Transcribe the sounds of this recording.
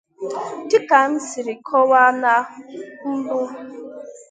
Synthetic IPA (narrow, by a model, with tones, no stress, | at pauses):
dɪ˦ka˨n̩˦si˨ɾɪ˨kʰɔ˦wa˦na˦n̩˦bʊ˦